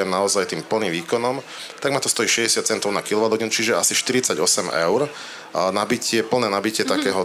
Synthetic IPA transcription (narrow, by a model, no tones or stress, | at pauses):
ɛmnaɔzajt̪iːmpl̩niːmʋiːkɔnɔm | t̪aɡmat̪ɔst̪ɔjiːʃɛɟɛsat̪̚t͡sɛnt̪ɔʊnakilˠɔʋad̪ɦɔɲɛnt͡ʃiʒɛasiʃt̪iɾit͡saɟɔsɛmɛ̰ʊɾ | nabicɪɛpl̩nɛːnabicɪɛt̪akɛːɦɔ